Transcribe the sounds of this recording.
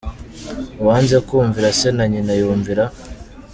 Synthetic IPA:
waːnzekuːɱviɾasenaɲinajuːɱviɾa

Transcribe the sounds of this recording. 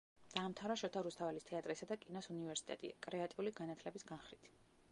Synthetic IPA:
d̪̥aːmt̪ʰaɾaʃɔt̪ʰaɾust̪ʰavɛlist̪ʰɛat̪ʼɾisad̪akʼinɔsunivɛɾsit̪ʼɛt̪ʼḭa̰kʼɾɛat̪ʼiuliɡanat̪ʰlɛbisɡanχɾit̪ʰ

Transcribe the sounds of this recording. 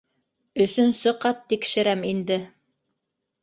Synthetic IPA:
ɵ̆sɵnsɤqɑt̪ːikʃɘ̆ɾæmind̪ɘ

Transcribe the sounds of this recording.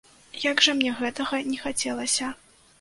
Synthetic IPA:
jaɡʐɐmnʲɛɣɛt̪ɐɣɐnʲɛxat͡sʲɛlˠɐsʲɐ

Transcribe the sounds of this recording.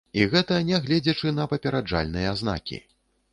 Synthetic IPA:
iɣɛt̪ɐnʲɛɣlʲɛd͡zʲɐt͡ʂɨnɐpɐpʲɛɾad͡ʐa̰lʲnɨjɐzna̰kʲḭ

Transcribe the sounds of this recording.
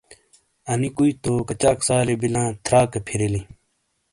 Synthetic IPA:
ɐnikuit̪oːkɐt͡ɕaːksaːlibilãːt̪ʰɾaːkɐpʰiɾili

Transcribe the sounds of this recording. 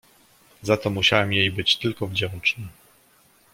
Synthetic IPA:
zat̪ɔmuɕawɛmjejbɘt͡ɕt̪ɘlkɔvd͡ʑɛnt͡ʂnɘ

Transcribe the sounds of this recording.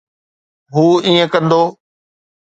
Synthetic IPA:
ɦuːĩːə̃kə̃nd̪oː

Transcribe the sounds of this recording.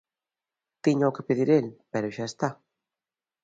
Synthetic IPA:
t̪iɲaokepeðiɾelpɛɾʊʃaest̪a

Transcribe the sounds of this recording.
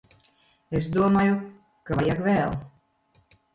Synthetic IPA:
esd̪uɔmaːju | kavajakvɛːlˠ

